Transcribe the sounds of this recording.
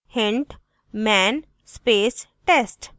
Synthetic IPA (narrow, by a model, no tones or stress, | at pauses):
hɪ̃ɳʈ | mɛːn | speːsʈesʈ